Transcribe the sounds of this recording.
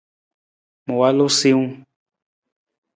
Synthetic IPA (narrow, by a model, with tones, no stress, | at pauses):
mõ˨wa˦lo˦si˦ũ˦